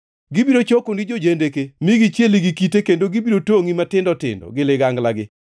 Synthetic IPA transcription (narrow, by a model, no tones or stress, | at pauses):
ɡɪbiɾot͡ʃokonid͡ʒod͡ʒendekemiɡit͡ʃjeliɡikitekendoɡibiɾotoŋimatɪndɔtɪ̰ndɔ̰ɡɪlɪɡaŋɡlaɡɪ